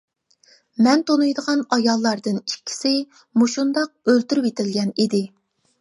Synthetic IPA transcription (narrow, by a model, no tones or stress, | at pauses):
mɛnt̪ʰonujd̪əʁɑnɑjɑlˠːɑɾd̪ɨnikʲʰːi̥sɪ | muʃund̪ɑq̚ølt̪yɾywet̪ʰɪlɡʲɛnid̪ɪ